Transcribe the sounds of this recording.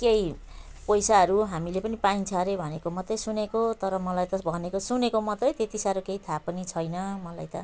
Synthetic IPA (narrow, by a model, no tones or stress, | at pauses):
keji | pʌjsaɦʌɾuɦamilepʌnipaint͡sʰʌɾebʱʌnekomʌt̪ːʌjsunekot̪ʌɾʌmʌlajt̪ʌbʱʌnekosunekomʌt̪ːʌjt̪et̪isaɾokeit̪ʰapʌnit͡sʰʌjnʌmʌlajt̪ʌ